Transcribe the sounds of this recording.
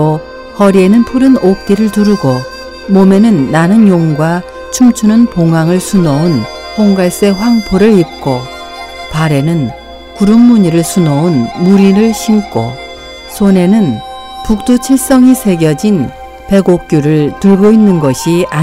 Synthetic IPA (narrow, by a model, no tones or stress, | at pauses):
o | hʌɾie̞nɯnpʰuɾɯnok̚t͈iɾɯɭtuɾuɡo | mome̞nɯnːanɯnjoŋɡwa | t͡ɕʰumt͡ɕʰunɯnpoŋaŋɯɭsʰunʌun | hʰoŋɡaɭs͈e̞ɸwaŋpʰoɾɯɭip̚k͈o | paɾe̞nɯn | kuɾuŋmuɲiɾɯɭsʰunʌunmuɾiɾɯɭɕʰimk͈o̰ | sʰone̞nɯn | puk̚t͈ut͡ɕʰis͈ʌŋisʰe̞ɡjʌd͡ʑin | pe̞ɡok̚k͈juɾɯɭtɯɭɡoinːɯnɡʌɕʰia